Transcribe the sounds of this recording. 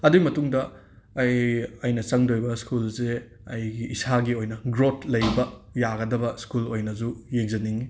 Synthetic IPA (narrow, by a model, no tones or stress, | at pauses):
ɐduɡimɐtuŋdɐː | jɐjnɐt͡ʃɐŋdojbɐskulze | ɐjɡiʔisaɡiojnɐɡɾotʰlɐjbɐjaɡɐdɐbɐskulojnɐzujek̚zɐniŋi